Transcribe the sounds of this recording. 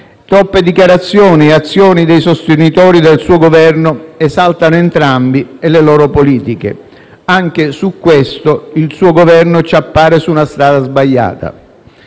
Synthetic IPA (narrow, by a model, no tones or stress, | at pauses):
t̪ɾɔpːed̪ikjaɾat̪sːjɔːnieat̪sːjɔːnid̪ejsost̪enit̪ɔːɾid̪elsuːoɡovɛrnʊɛzalt̪anoent̪ɾambielelɔːɾopoliːt̪ik̟ḛ | aŋk̟esukːwest̪oilsuːoɡovɛrnot͡ʃapːaːɾesuːnast̪ɾaːd̪azbaʎːa̰ːt̪a̰